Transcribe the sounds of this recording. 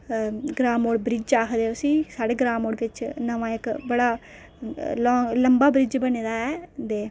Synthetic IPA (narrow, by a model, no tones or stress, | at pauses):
ɡɾaːmoːɽbɾɪd͡ʒaːkʰd̪eːʊsĩːsaːɽeːɡɾaːmoːɽʋɪt͡ʃnəʋãːɪkbəɽaː | lɔːŋləmbaːbɾɪd͡ʒbəneːd̪aːɛːd̪eː